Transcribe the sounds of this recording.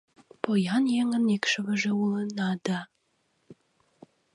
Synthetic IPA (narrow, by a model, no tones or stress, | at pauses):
pojɑnjeŋənekʃə̆βə̆ʒĕulə̆nɑd̪ɑ